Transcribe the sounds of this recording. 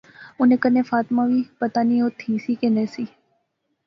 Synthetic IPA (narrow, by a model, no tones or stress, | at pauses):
ʊnẽːkənẽːfaːt̪mãːʋiːpət̪aːniːoːt̪ʰiːsiːkenẽːsiː